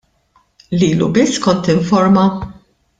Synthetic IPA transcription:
liːlṵbɪsːkɔnt̪ɪɱfɔɾmɐ

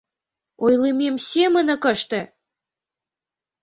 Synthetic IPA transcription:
ojlememsʲemə̆nə̆kə̆ʃt̪ĕ

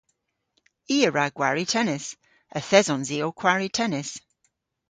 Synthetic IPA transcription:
iːəɹaɡ̥waɹitʰɛnɪs | əθɛzɔnziːokʰwaɹitʰɛnɪs

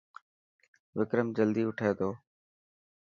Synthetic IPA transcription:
ʋɪkɾəmd͡ʒəld̪iːʊʈʰaːeːd̪oː

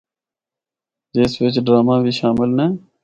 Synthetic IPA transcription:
d͡ʒeːsʋɪt͡ʃɖɾaːmãːbʱiːʃaːmɪlneː

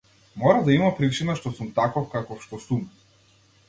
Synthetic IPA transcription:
mɔɾad̪aimapɾit͡ʃinaʃt̪ɔsumt̪akɔfkakɔfʃt̪ɔsum

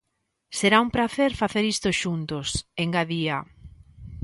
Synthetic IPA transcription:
seɾaumpɾaθeɾfaθeɾist̪ʊʃunt̪ʊseŋɡaðia

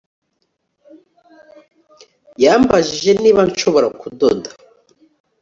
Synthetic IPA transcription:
jaːmbaʒiʒe̞niːβanʃo̞βo̞ɾakudodḁ

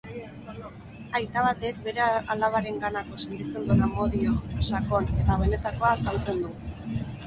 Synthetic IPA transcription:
ajt̪aβ̞at̪ek̚be̞ɾealaβaɾe̞ŋɡanako̞se̞nt̪it͡se̞nd̪unamo̞ðiosakone̞t̪aβ̞e̞ne̞t̪ako̞asalt͡se̞nd̪u

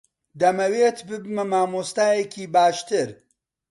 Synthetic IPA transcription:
d̪ɐmɐweːt̪bɨbmɐmaːmoːst̪aːjekʲiːbaːʃt̪ɨɾ

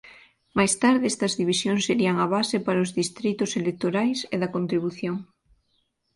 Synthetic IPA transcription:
majst̪aɾðeest̪ɐzðiβ̞isjoŋseɾiɐŋaβ̞asepaɾozðist̪ɾit̪oselek̚t̪oɾajseðɐkont̪ɾiβuθjoŋ

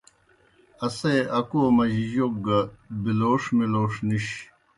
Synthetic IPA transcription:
ɐseʔɐkomɐʑiʑok̚ɡɐbiloːʂmiloːʂniɕ

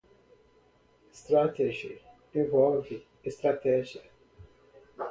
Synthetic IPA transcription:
st̪ɾɐt̪ɛd͡ʒi | ɪ̃vɔlvi | ɪst̪ɾɐt̪ɛd͡ʒi

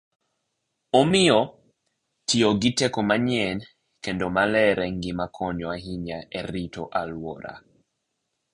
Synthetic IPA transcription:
omiɔ | tʰioɡitɛkɔmaɲɛn | kɛndɔmalɛɾɛŋɡimakʰɔɲɔaɦiɲaɛɾitɔʔalwɔɾa̰

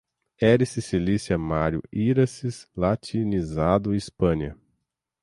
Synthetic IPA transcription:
ɛɾisisilisjɐmaɾjʊ̰iɾɐsizlat͡ʃinizad̪ʊispɐ̃ɲɐ̰

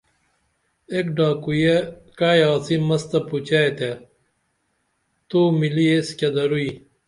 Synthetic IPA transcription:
ekɖaːkujekaːjaːt͡simɐst̪ɐput͡ɕaet̪e | t̪umilieskɐd̪ɐɾui

